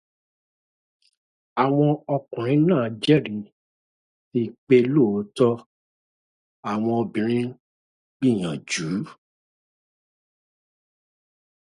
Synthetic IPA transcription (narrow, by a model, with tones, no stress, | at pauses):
a˨w̃ɔ̃˧ɔ˧kɔ̃˨ɾ̃ĩ˨˦nãː˦˨d͡ʒɛ˦˨ɾĩ˨ | i˦˨k͡pe˧lo˦˨˦tɔ˦ | a˨w̃ɔ̃˧o˧bĩ˨ɾ̃ĩ˦ | ɡ͡bi˦˨j̃ã˨d͡ʒu˨˦